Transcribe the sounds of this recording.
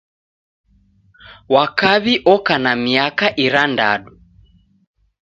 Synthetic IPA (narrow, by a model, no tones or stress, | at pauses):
wakaβiʔɔkanamiakaʔiɾanda̰ɗu